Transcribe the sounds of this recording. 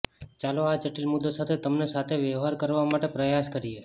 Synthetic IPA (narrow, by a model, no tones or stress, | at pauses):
t͡ʃaload͡ʒəʈilmʊd̪osat̪ʰet̪əmnesat̪ʰeʋjəʋɦaɾkəɾʋamaʈepɾəjaskəɾie